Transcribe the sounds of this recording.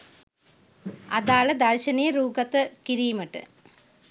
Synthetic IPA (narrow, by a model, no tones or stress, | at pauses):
ɐðaːɭɐd̪ɐɻɕɐnijɐɾuːɡɐt̪ːɨkiɾiːmɐʈːɨ̰